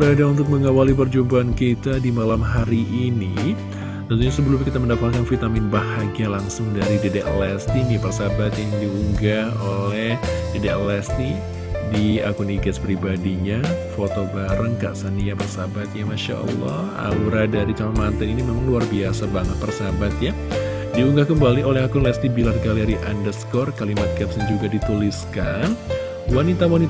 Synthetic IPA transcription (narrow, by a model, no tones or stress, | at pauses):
bəɾadaunt̪ʊk̚məŋawalip̬ərd͡ʒumbaːnkit̪adimalamɦaɾiʔːni | t̪ənt̪uɲasəbəlʊmkit̪aməndakakanfit̪amɪnbaɦaɡialaŋsʊŋdaɾidedɛʔlɛst̪inipərsabat̪jaŋdiuŋɡaolɛhdedɛʔlɛst̪i | dia̰kuniɡaspɾibadiɲafot̪obaɾəŋka̰ʔsaniapərsabat̪̚jamaʃa̰ʔɔ̰lːɔ̰h | a̰uɾadaɾit͡ʃamnmant̪aninimemaŋluarbiasabaŋət̪̚pərsabat̪̚ja | diuŋɡahkəmbaliolɛhakʊnlɛst̪ibilarkaliɾiʔandərskɔrkalimat̪̚kɛp̚sand͡ʒuɡadit̪uliskan | wanit̪awanit̪